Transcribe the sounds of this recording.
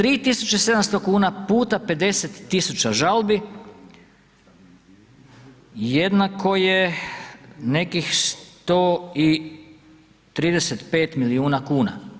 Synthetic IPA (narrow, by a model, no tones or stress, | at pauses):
t̪ɾiːt̪isut͡ʃese̞d̪amst̪o̞kuːnapuːt̪ape̞d̪e̞set̪ːisut͡ɕaʒalbi | je̞d̪nakʰo̞je | ne̞kixst̪oi | t̪ɾiːd̪eset̪pe̞ːt̪miliuːnakuːna̰